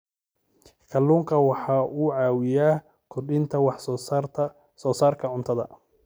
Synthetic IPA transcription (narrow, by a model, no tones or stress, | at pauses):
kʰɐlːuːŋkʰɐwɑħɑːʔuːʕɑːwɪjaː | kʰʊrɖɪnt̪ʰɐwɑħs | sɔːsaːrkʰɐʕʊnt̪ʰɐðɐ̰